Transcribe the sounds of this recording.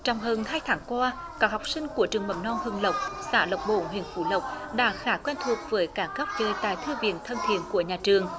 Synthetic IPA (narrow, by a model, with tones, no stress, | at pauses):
t͡ɕɔ˧wŋ͡mɦəː˧˩nɦaː˧jt̪ʰaː˨˦ŋkwaː˧ | kaː˦˥k̚ha˨˩wk͡p̚sï˧ŋ̟ku˧˩ət͡ɕɨ˨˩əŋmə̰˧˩˦nnɔ˧nhɨ˨˧əŋlə˨˩wk͡p̚saː˧˩lə˨˩wk͡p̚ɓo̰˧˨nɦḭ˧˨ənfu˧˩˦lə˨˩wk͡p̚ɗa̰ː˧˥xaː˧˩˦kwɛ˧nt̪ʰu˨˩ək̚vəː˨˦jkaː˧˩kə˦˥p̚t͡ɕəː˧˩jt̪a̰ː˧˨jt̪ʰɨ˧vḭ˧˨ənt̪ʰə˧nt̪ʰḭ˧˨ənku˧˩əɲaː˨˩t͡ɕɨ˨˩əŋ